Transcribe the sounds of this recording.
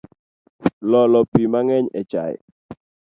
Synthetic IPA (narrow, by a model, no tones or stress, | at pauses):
lɔlɔpimaŋɛɲɛ̰t͡ʃa̰j